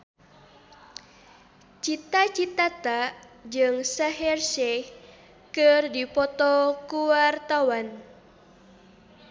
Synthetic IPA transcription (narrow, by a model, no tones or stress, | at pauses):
t͡ʃit̪at͡ʃit̪at̪aʔd͡ʒɨŋsaɦɛrsɛ | kɨrdipɔt̪ɔkuwart̪awan